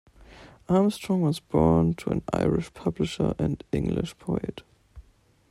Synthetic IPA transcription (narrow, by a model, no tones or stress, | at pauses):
ʔamstɹ̥ɔ̃ŋwʌzbɔɹntʰuə̰̃na̰ɪɹɪʃpʰʌblɨʃə˞ʔɨ̃ndɪ̃ŋɡlɪ̰ʃpʰoɛt